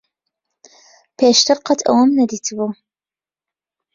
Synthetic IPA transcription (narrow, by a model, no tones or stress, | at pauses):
pʰeːʃt̪ʰɨɾqʰɐt̪ʰɐ̰wɐmnɐd̪iːt̪ʰɨbu